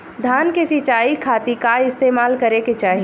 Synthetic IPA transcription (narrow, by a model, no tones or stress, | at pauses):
d̪ʱaːnkesɪt͡ʃaːikʰaːt̪ikaɪst̪eːmaːlkɐɾeket͡ʃaːɦi